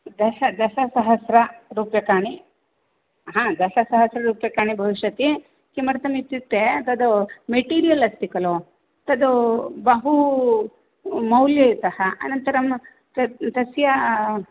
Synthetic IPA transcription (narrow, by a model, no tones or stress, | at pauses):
d̪ɐʃɐd̪ɐsɐsɐɦɐsɾɐɾuːpjɐkaːɳi | ɦãːd̪ɐsɐsɐɦɐsɾɐɾuːpjɐkaːɳibʱɐʋiʃjɐt̪i | kimɐɾɐt̪ɐmit̪ːit̪ːet̪ɐd̪umeʈiːɾijɐlɐst̪ikɐlo | t̪ɐd̪ubɐɦu | mɐwljɐit̪ɐhɐʔɐ̰nɐnt̪ɐɾɐm | tɐt̪ɐsjɐ